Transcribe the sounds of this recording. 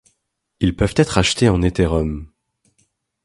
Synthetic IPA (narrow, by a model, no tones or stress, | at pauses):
ilpœvt̪ɛt̪χaʃt̪eɑ̃net̪eʁɔm